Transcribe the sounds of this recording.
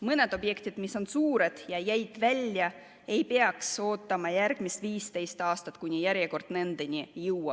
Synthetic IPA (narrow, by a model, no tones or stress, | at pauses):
mɤne̞d̪̥o̞bje̞kt̪id̪̥miso̞nsuːɾe̞d̪̥jɑjæjd̪̥vælʲjɑ | e̞jpeɑkso̞ːt̪ːˑɑmɑjæɾɡ̥miset̪viːst̪e̞jst̪ɑːst̪ɑt̪ːˑkunʲijæɾjeko̞rd̪̥ne̞nd̪̥enʲijɯwɑ